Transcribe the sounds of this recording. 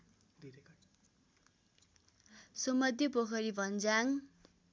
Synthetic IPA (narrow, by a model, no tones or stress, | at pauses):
sʌmʌd̪ʱjepokʰʌɾibʱʌnd͡zaŋ